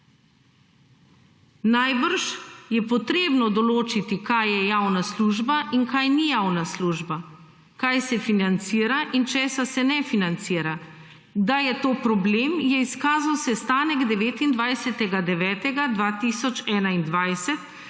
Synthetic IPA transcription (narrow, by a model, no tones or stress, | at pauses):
najbəɾʃjɛpɔt̪ɾeːbnɔd̪ɔloːt͡ʃit̪ikajjɛjaːwnasluːʒbaʔiŋkajnijaːwnasluːʒba | kajsɛfinant̪siːɾaʔint͡ʃɛːsasɛnɛfinant̪siːɾa | d̪ajɛt̪oːpɾɔbleːmjɛiskaːzawsɛst̪aːnɛɡd̪ɛʋeːt̪ind̪ʋajsɛt̪ɛɡad̪ɛʋɛːt̪ɛɡad̪ʋaːt̪iːsɔt͡ʃɛːnaind̪ʋajsɛt̪